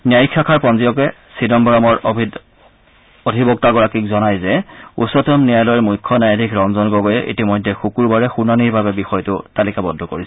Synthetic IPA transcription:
nijajikʰːakʰaɹpɔnzijɔk̬ɛ | sidɔmbɔɹɔmɔɹbʱid | odʱibɔk̚taɡɔɹakikzɔnajzɛṵsɔtɔmnijajlɔjmujkʰːɔnajadʱikʰɹɔmzɔnɡɔɡɔjɛʔḭtimɔjdʱːɛxukuɹbaɹɛxunaniɹbabɛbixɔjtʊtalikabɔdʱːɔkoɹisɛ

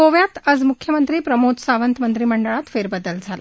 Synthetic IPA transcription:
oʋjat̪əd͡zmukʰjəmənt̪ɾiːpɾəmod͡z̪saʋənt̪mənt̪ɾiːməɳɖəɭat̪feɾbəd̪əld͡zʱala

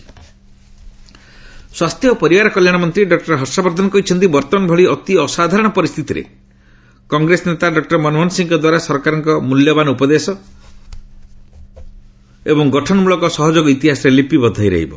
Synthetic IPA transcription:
swast̪ʰjɔpɔɾibaɾɔkɔljaɽ̃ɔmɔnt̪ɾiɖɔk̚ʈɔɾɦɔɾsabɔɾd̪ʱɔnɔkɔɦit͡ʃʰɔnt̪ibɔɾt̪ɔnɔbʱɔɭiɔt̪iɔsad̪ʱaɾɔɽ̃ɔpɔɾist̪ʰit̪iɾḛ | kɔŋɡɾesɔnet̪aɖɔk̚ʈɔɾmɔnɔɦɔnsiŋkɔd̪waɾasɔɾkaɾɔŋkɔmuljɔbanɔupɔd̪esɔ | ebɔŋɡɔʈʰɔnɔmulɔkɔsɔɦɔd͡ʒoɡɔit̪iɦasɔɾelipibɔd̪ʱajɾa̰ɦḭbɔ

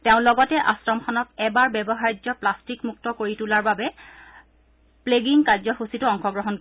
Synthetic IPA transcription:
tɛʊ̃lɔɡɔtɛʔasɹɔmxɔnɔkɛbaɹbɛbɔɦaɹid͡ʒɔplastikmuk̚tɔkoɹitulaɹbabɛ | pleɡiŋkaɹzɔxusitʊɔŋxɔɡɹɔɦɔn

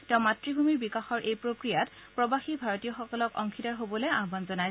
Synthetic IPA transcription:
tɛʊ̃matɹibʱumiɹbikaxɔɹʔejpɹokɹijat | pɹɔbaxibʱaɹotijɔxɔkɔlɔkɔ̰ŋkʰitaɹɦobɔlejaɦbanzɔnaj

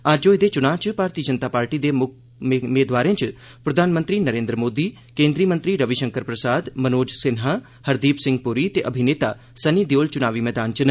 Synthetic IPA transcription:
aːd͡ʒd͡ʒoːed̪eːt͡ʃʊnãːt͡ʃpaːɾt̪iːəd͡ʒənt̪aːpaːɾʈiːd̪eːmʊ | meːd̪ʋaːɾẽt͡ʃ | pɾəd̪ʱaːnmə̃nt̪ɾiːnəɾẽːnd̪ɾəmoːd̪iː | kẽːnd̪ɾiːmənt̪ɾiːɾəʋiʃəŋkəɾpɾəsaːd̪mənoːd͡ʒsɪnɦa | həɾd̪iːpsɪ̃ŋɡ̚pʊɾiːt̪eʔəbʱineːt̪a̰ː | səniːd̪eoːlt͡ʃʊnaːʋiːmɛːd̪aːnt͡ʃn

